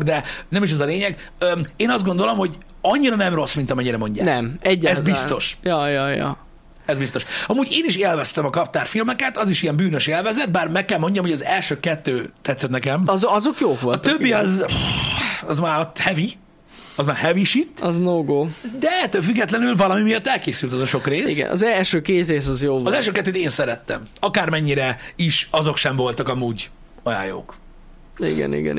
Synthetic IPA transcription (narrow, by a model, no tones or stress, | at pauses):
ɡd̪ɛnɛmiʃ̬ɛzɒleːɲɛɡ | ømeːnɒzd̪ɡo̞nd̪o̞lo̞mho̞ɟ | ɒɲːiɾɒnɛmro̞smint̪ɒmɛɲːiɾɛmo̞ɲɟaːnɛmɛɟːɛzbistt̪o̞ʃjɒjɒjɒ̰ | ɛzbist̪o̞ʃɒmuːɟeːniʃelvɛst̪ɛmɒkɒp̚t̪aːrfilmɛkɛt̪ɒziʃijɛmbyːnøʃelvɛzɛd̪̚baːrmɛkːɛlmo̞ɲɟɒmhoɟɒzɛlʃøːkɛt̪ːøːt̪ːɛt̪sːɛt̪nɛkɛmɒzokjoːolɒt̪øbːiɒz | ɒzmaːɾot̪ːhɛvi | ɒzmaːɾhɛviʃit̪ːɒznoːɡoːd̪ɛɛt̪ːøːlfyɡːɛt̪lɛnylvɒlɒmimijɒt̪ːɛlkeːsylt̪ɒzɒʃo̞kreːsiɡɛ̰nʔɒ̰zɛlʃøːkeːt̪reːs̬ɒzjoːɒzɛlʃøːkɛt̪ːøːt̪eːnsɛɾɛt̪ːɛ̰mɒkaːrmɛɲːiɾɛiʃɒzo̞kʃɛɱvo̞lt̪ɒkɒmuːɟ | ɒja̰ːjo̰ːk | ḭɡɛ̰nḭɡɛ̰n